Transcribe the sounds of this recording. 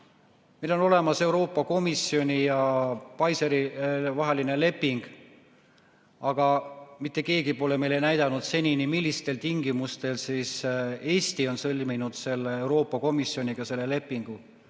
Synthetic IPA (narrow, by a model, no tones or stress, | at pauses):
melo̞no̞le̞mɑse̞wɾo̞ːpːˑɑko̞misio̞nʲijɑpɑjseɾivɑɦe̞line̞le̞pːiŋɡ̥ | ɑɡ̥ɑmit̪ːe̞ke̞ːɡipo̞le̞me̞lenæjd̪̥ɑnud̪̥se̞nʲinimilʲːist̪e̞lt̪iŋɡ̥imust̪e̞lsiːse̞ːst̪io̞nsɤlʲminud̪̥se̞lːeewɾo̞ːpˑːɑko̞misːjo̞nʲiɡ̥ɑse̞lːe̞le̞pːˑiŋɡ̥u